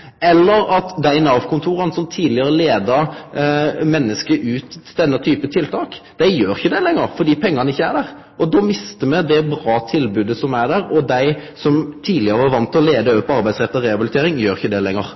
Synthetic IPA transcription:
ɛlːəɾɑt̪d̪æɪnɑʋkʰʊnt̪ʰuːɾənsɔmt̪ʰiːd̪lɪəɾəleːd̪əɾ | mɛnːəskəʔʉːt̪d̪ɛnːət̪ʰyːpət̪ʰɪlt̪ʰɑːkd̪̥æɪjøːɾɪçəd̪ɛlɛŋːəɾfɔd̪iːpʰɛŋːɑnɪçːəæ̰ɾd̪æːʁ | ʔɔd̪ɔːmɪst̪əmɛd̪ɛbɾɑːt̪ʰɪlbʉːd̪əsɔmæd̪æɾɔd̪æɪsɔmt̪ʰiːd̪lɪəɾəʋɑɾʋɑnt̪ɔleːd̪əøʋpʰɔɑɾbæɪsʁɛt̪ːɔɾɛɑbɪlɪt̪ʰeːɾɪŋjøːɾɪçəd̪ɛlɛŋːəɾ

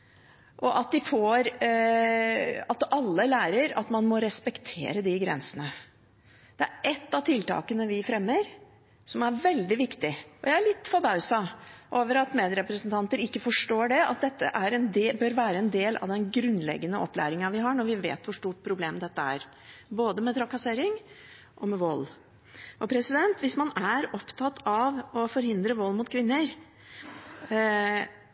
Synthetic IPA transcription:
ʔɔʔɑt̪̚d̪ɪfoːɾ | ɑt̪ɑlːəlæːɾəɾɑt̪mɑnmɔɾɛspɛkt̪ʰḛːɾəd̪ɪɡɾɛ̰nsənə | d̪̥ɛæɾɛt̪ːɑʋt̪ʰɪlt̪ɑ̰ːkənəʋɪfɾɛmːəɾ | sɔmæɾʋɛld̪ɪʋɪkt̪ɪɔjæɪæɭɪt̪ːfɔbɑʉsɑʔoːʋəɾɑt̪meːd̪ɾɛpɾəsnt̪ʰɑnt̪əɾɪkːəfɔʂʈoːɖɛɑ̰t̪̚d̪ɛt̪ːə̰ʔæɾɛnd̪bœɾʋæːɾəɛnd̪eːlʔɑ̰ʋd̪ɛnɡɾʉnːlɛ̰ɡːənəʔɔpːlæ̰ːɾɪŋɑʋɪɦɑɳɔɾʋɪʋḛːt̪ʋʊʂʈuːʈ̚pʰɾʊbleːmd̪ɛt̪ːəæ̰ːɾ | boːd̪əmɛt̪ʰɾɑkɑseːɾɪŋ | ʔɔmɛʋɔlː | ʔɔpʰɾɛsɪd̪ɛnt̪ʋɪsmɑnæɾɔpt̪ʰɑt̪ʰɑʋɔfɔɾhɪnd̪ɾəʋɔlːmʊt̪̚kʰʋɪnːəɾ

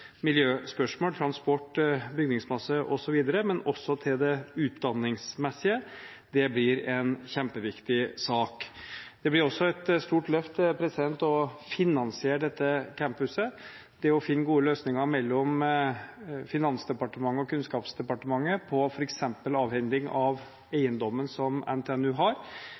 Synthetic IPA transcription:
mɪljøːspœʂmoːlt̪ʰɾɑnspɔʈːbʏɡnɪŋsmɑsːəʔɔsɔʋiːd̪əɾəmɛnɔsːɔt̪ʰɪld̪ɛʉːt̪d̪ɑnːɪŋsmɛsːɪə | d̪̥ɛblɪɾɛnçɛmpəʋɪkt̪ɪsɑːkd̪ɛblɪɾɔsːɔɛt̪st̪uːʈlœft̪pʰɾɛsɪd̪ɛnt̪ɔfɪnːɑnsɪeːɾɖɛt̪ːəkʰæmpʉsə | d̪̥ɛɔfɪnːəɡuːəløːsnɪŋɑɾmɛlːɔm | fɪnɑnsd̪ɛpɑʈəmɑŋːəɔkʰʉnskɑːpsd̪ɛpɑʈəmɑŋːəpʰɔfɔɾɛksɛmpəlɑːʋhɛŋd̪ɪŋɑʋ | æɪənd̪ɔmːənsɔmæ̰nt̪ʰːɛnʉːɦɑɾ

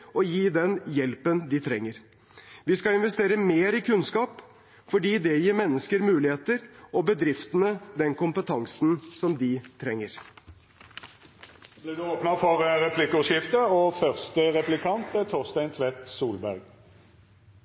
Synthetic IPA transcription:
ɔjiːd̪ɛnjɛlpənd̪ɪt̪ʰɾɛŋːəɾ | ʋɪskɑɪnʋɛst̪eːɾəmeːɾɪkʰʉnskɑːp | fɔɖiːd̪ɛjiːɾmɛnːəskəɾmʉːlɪheːt̪əɾɔbəd̪ɾɪft̪ənəd̪ɛnkʊmpət̪ʰɑŋsnsɔmd̪ɪt̪ʰɾɛŋːəɾ | blɪːʁd̪ʉoːpnəfɔʁʁɛpʰlɪkːʂɪft̪əofœʁst̪əʁɛplɪkʰɑnt̪ət̪ʰɔʁst̪æɪnt̪ʰʋɛt̪suːlbæʁɡ

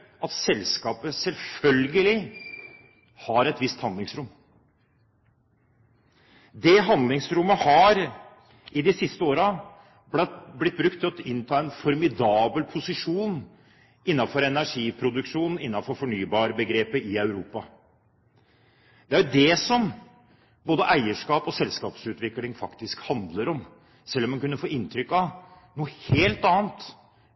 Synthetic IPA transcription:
ɑt̪sɛlskɑːpəsɛlfœlɡəlɪ | hɑɾɛt̪ʋɪst̪hɑnd̪lɪŋsɾʊmː | d̪ɛɦɑnd̪lɪŋsɾʊmːəhɑɾ | ɪd̪ɪsɪst̪əoːɾɑ | bblɪt̪̚bɾʉk̚t̪ʰːɪɔt̪ɪnːt̪ʰɑːɛnfɔɾmɪd̪ɑːbəlpʰʊsɪʂuːn | ɪnːɑfɔɾɛnæʂiːpʰɾʊd̪ʉkʂuːnn̩ɪnːɑfɔɾfɔɳyːbɑːɾəbəɡɾeːpəʔɪœʉɾuːpɑ | d̪̥ɛæɾjʊd̪ɛsɔm | boːd̪əʔæɪəʂkɑːpɔsɛlskɑːpsʉːt̪ʋɪklɪŋfɑkt̪ɪskhɑnd̪ləɾɔm | sɛlːɔmːɛnkʉnːəfoːɪnt̪ʰɾʏkːɑ | nuːəheːlt̪ɑːnt̪

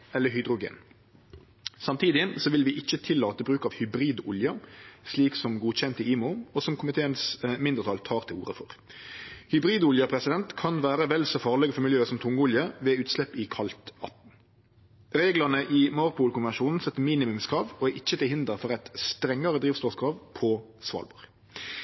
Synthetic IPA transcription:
ɛlːəɦʏd̪ʁʊɡḛːn | sɑmt̪ʰiːd̪ɪsɔʋɪlʋɪʔɪçːət̪ʰɪlːɑːt̪əbʁʉːkɑʋhʏbʁiːd̪ʊljɑʂliːksɔmɡuːçɛnt̪əiːmʊɔsɔmkʰʊmɪt̪ʰeːənsmɪnd̪əʁt̪ʰɑːlt̪ʰɑːʁt̪ʰɪlṵːɾəfɔʁ | hʏbʁiːd̪ʊljɑpʰɾɛsɪd̪ɛnt̪kʰɑnʋæːɾəʋɛlsɔfɑːʁlɛɡəfɔmʏljøːəsɔmt̪ʰʊŋːəʊljəʋɛːʉːt̪slɛpːɪkʰɑlt̪ɑ̰t̪n̩ | ɾeːɡlɑʁnəʔɪmɔɾpuːlkʊnʋɛnʃuːnn̩sɛt̪ːəmiːnɪmʉmskʰɾɑːʋɔʔɪçːət̪ɪlhɪnd̪əɾfɔʁɛt̪st̪ɾɛŋːɑɾəd̪ɾiːʋst̪oːskʰɾɑːʋpʰɔsʋɑ̰ːlbɔɾɡ

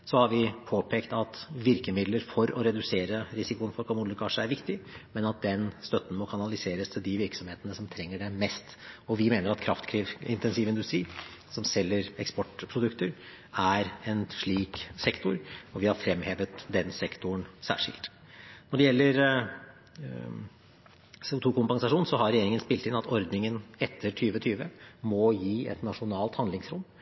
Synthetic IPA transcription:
sɔhɑɾʋɪpʰoːpʰeːkt̪ɑt̪ʋɪɾkəmɪd̪ləɾfɔɾɔɾɛd̪ʉseːɾəɾɪsɪkʊənfɔɾkʰɑmud̪ɪkʰɑʂəæɾʋɪkt̪ɪmɛnɑt̪̚d̪ɛnst̪œt̪ːn̩mɔkʰɑnɑlɪseːɾəst̪ʰɪld̪ɪʋɪɾksɔmheːt̪ənəsɔmt̪ʰɾɛŋːəɖɛmɛst̪ɔʋɪmeːnəɾɑt̪kʰɾɑft̪kʰɾiɪnt̪ɛnsiːʋɪnd̪ʉst̪ɾiː | sɔmsɛlːəɾɛkspɔʈpʰɾʊd̪ʉkt̪əɾ | æɾɛnʂɭiːksɛkt̪ʊɾɔʋɪhɑɾfɾɛmheːʋət̪d̪ɛnsɛkt̪ʊɳsæ̰ːʂɪ̰lt̪ | nɔɖɛjɛlːəɾ | seːʊt̪ʰuːkʊmpɑŋsɑʂuːnsɔɦɑɾɛjeːɾɪŋənspɪlt̪ɪnɑt̪ʰɔɾd̪nɪŋənɛt̪ʰːəɾʈʰyːʋət̪ʰyːʋəmɔjiːɛ̰t̪nɑʂʊnɑːlt̪hɑnd̪lɪŋsɾʊmː

